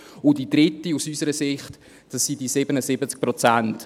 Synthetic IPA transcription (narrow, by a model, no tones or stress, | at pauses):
ʊdidɾɪtːiusysəɾəsɪχt | d̥ɑsːidisɪbənəsɪbət͡sk̚pɾɔt͡sant